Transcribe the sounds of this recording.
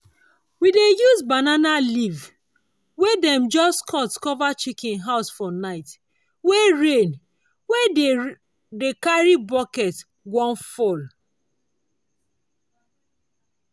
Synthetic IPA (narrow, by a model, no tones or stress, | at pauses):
widejuzbananaliv | wedɛmd͡ʒɔstkʰɔtkɔvat͡ʃikɪ̃nɦaʊsfɔnaɪt | weɹẽn | we | dekaɹibɔkɛt | ɡɔ̃nfɔl